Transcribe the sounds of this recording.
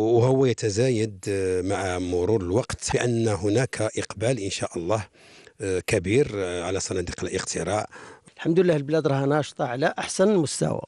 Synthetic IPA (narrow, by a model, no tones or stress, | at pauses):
whʊwːæjət̪æzæjəd̪maʕamʊɾuɾəlwɑqt̪bəʔənːɦʊnækʰʔəqbælʔənʃæʔəlˤːɑh | kæbiɾʕalæsˤɑnɑd̪iqəlʔəqt̪ʰəɾɑʕəlħamd̪lːæhlblæd̪ɾˤɑhnɑʃt̪ˤɑʕlæʔaħsænəlmʊst̪æ̰wa̰